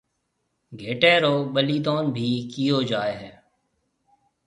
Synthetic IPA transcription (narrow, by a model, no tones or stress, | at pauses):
ɡʱeːʈeːɾoːɓəliːt̪oːnbʱiːkɪjoːd͡ʒaːeːɦɛː